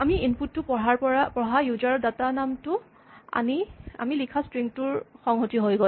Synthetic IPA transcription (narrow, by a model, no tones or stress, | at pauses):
amiinputːʊpɔɦaɹpɔɹapɔɦajuzaɹdatanamtʊ | a̰nia̰milikʰastɹiŋtʊɹxɔŋɦotiɦojɡɔ